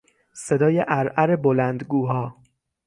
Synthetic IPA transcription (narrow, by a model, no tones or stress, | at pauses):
se̞d̪ɒːjeʔæɾʔæɾebolænd̪ɡuːɦɒː